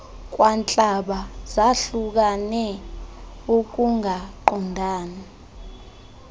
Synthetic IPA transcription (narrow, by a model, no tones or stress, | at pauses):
k̬ʼwant͡ɬʼaɓazaɬuk̬anɛ | uk̬uŋʱaǃɔndʱaːna